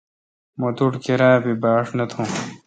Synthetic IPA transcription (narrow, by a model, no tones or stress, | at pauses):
mɐt̪uʈkeɾãːbibaːʂnɐt̪ʰõː